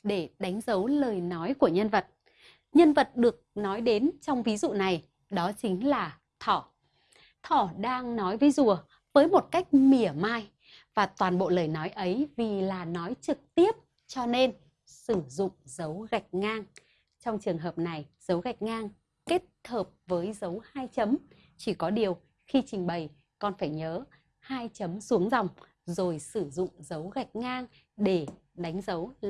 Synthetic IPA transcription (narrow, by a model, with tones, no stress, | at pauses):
ɗe˧˩ɗa˨˦jŋ̟zə˨˦wləː˨˩jnɔ˨˦jku˧˩əɲə˧nvə˨˩t̚ | ɲə˧nvə˨˩t̚ɗɨ˨˩ək̚nɔ˨˦jɗe˨˦nt͡ɕɔ˧wŋ͡mvi˨˦zṵ˧˨na˨˩j | ɗɔ˨˦t͡ɕï˨˦ŋ̟laː˨˩ | t̪ʰɔ˧˩ | t̪ʰɔ˧˩ɗaː˧ŋnɔ˨˦jvəː˨˦jzu˧˨˩ə | vəː˨˦jmo˨˩t̚ka˦˥jk̟̚mi˨˧˩əmaː˧j | vaː˨˩t̪waː˨˩nɓo̰˧˨ləː˨˩jnɔ˨˦jʔə˨˦jvi˨˩laː˨˩nɔ˨˦jt͡ɕɨ˨˩k̚t̪i˦˥əp̚ | t͡ɕɔ˧ne˧n | sɨ˧˩zʊ̰˧˨ŋ͡mzə˨˦wɣa˨˩jk̚ŋaː˧ŋ | t͡ɕɔ˧wŋ͡mt͡ɕɨ˨˩əŋɦəː˨˩p̚na˨˩jz̥ə˨˦wɣa˨˩jk̟̚ŋaː˧ŋ | ke˦˥t̚həː˨˩p̚vəː˨˦jzə˨˦whaː˧jt͡ɕə˨˦m | t͡ɕi˧˩kɔ˨˦ɗi˨˩əw | xi˧t͡ɕï˨˩ŋ̟ɓə˨˩j | kɔ˨˩nfaː˧˩jɲəː˨˦ | haː˧jt͡ɕə˨˦msu˨˦əŋzɔ˨˩wŋ͡m | zo˨˩jsɨ˧˩zʊ̰˧˨ŋ͡mzə˨˦wɣa˨˩jk̟̚ŋaː˧ŋ | ɗe˧˩ | ɗa˨˦jŋ̟zə˨˦w